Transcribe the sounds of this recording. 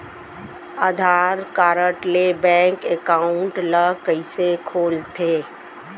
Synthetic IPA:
əd̪ʱaːɾkaːɾəʈlebɛ̃ːŋkekaːʊɳʈləkəisekʰoːlt̪ʰeː

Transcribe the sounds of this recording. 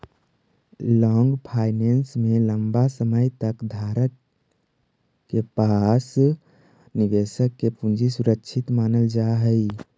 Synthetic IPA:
lɔːŋɡpʰaːɪnensmẽləmbasəməjt̪əkd̪ʱaːɾət | kepas | niʋesəkːepũnd͡ʒisuɾəkt͡ʃʰɪt̪maːnəld͡ʒaɦəi

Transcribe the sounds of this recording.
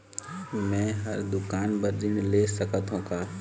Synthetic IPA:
mɛ̃ɦɐɾd̪ʊkaːnbɐɾːɪɳleːsɐkət̪ɦõkaː

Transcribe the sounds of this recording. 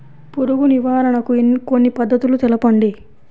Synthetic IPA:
puɾuɡuniʋaːɾɐɳɐkuenkonːipɐd̪ːɐt̪ulut̪ɛlɐpɐɳɖi

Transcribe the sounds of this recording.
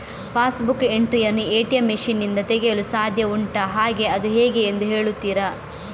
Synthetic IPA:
pʰaːsbukːeɳʈɾijɐɾnieːʈijɐmːeʂinːind̪ɐt̪eɡejɐlusaːd̪ʱjɐuɳʈɐɦaːɡe̞ɐd̪uɦeːɡeːnd̪uɦe̞ːɭut̪ːiːɾɐ

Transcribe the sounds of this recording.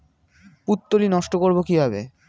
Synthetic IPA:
put̪ːolinɔʃʈokoɾbokibʱabḛ

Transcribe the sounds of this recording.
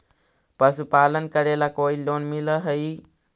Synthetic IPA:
pəsupalənkəɾelakoilonmiləɦəj

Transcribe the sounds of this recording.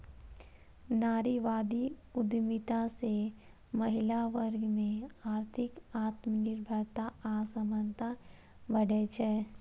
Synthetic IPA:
naːɾiʋaːd̪iʊd̪mɪt̪ase | məɦɪlaʋəɾɡʱmẽaːɾt̪ʰɪkaːt̪mənɪɾbʱəɾt̪aaːsəmənt̪a | bəɽet͡ʃʰɛː

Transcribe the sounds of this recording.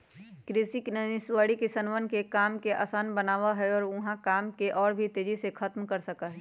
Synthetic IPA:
kɾɪsiknənɪswaːɽikɪsənʋənkekaːmkeʔa̰ːsaːnbɐnaːwaɦɛɔːɾʊɦãkaːmkeʔɔːɾbʱit̪eːd͡ʒisekʰɐt̪mkɐɾsɐkaɦɛː

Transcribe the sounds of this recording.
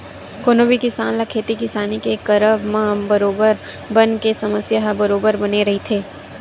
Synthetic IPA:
koːnoːbikɪsaːnlakʰeːt̪ikɪsaːnikekɐɾəbmãbɐɾoːbəɾ | bɐnkesɐməsjaɦbɐɾoːbəɾbɐneɾɐɦit̪ʰeː

